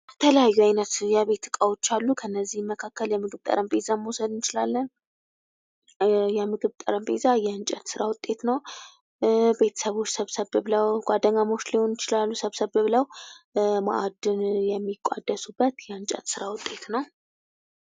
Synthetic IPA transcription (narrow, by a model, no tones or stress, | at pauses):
t̪ʰələjajːuajnət̪jaβe̞t̪ʰːɨkʼawot͡ʃːalːukʰənːəzːihmːəkʰakːəljɛmɨɡɨβt̪ʼə̰ɾəmbezaməosəd̪ɨnt͡ʃɪlalːən | jɛmɨɡɨβt̪ʼə̰ɾəmbʼḛzajɛɨnt͡ʃʼət̪sɨɾawʊt̪ʼe̞t̪nəw | be̞t̪ʰə̥səβo̞t͡ʃːsəβsəβɨβləwɡ̥ʷad̪əŋamo̞t͡ʃːliho̞nɪt͡ʃɪlalːusəβsəβɨβləw | ma̰ʔad̪ɨnjɛmːikʷʼːa̰d̪ːəsubːət̪jɛɨnt͡ʃʼə̰t̪sɨɾawʊt̪ʼe̞t̪nəw